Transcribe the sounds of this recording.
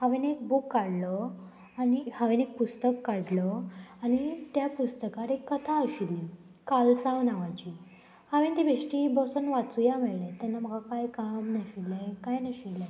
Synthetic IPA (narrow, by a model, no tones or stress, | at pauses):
haʋenek̚bukːaɽlɔ | anihaʋenek̚pust̪əkːaɽlɔañit̪japust̪əkaɾekːət̪ʰaəɕilːi | kalsãʋnaʋat͡ɕi | haʋent̪ibʱeʂʈibəsunʋat͡sujamɛɭlɛ̃t̪janːam̤əɡakajkamnəɕilːekajnəɕilɛ